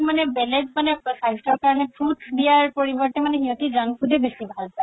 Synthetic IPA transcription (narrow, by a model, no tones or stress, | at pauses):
manɛbɛlɛdmanɛsajstɔɹkaɹɔnɛpʰutdijaɹpoɹibɔɹtɛmanɛɦiɔ̃tizanpʰutɛbesibʱalpa